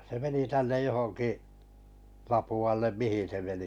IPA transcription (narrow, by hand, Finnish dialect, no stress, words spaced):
se meni tænːej johoŋkiʔ lɑpuɑlːem mihin̞ se meni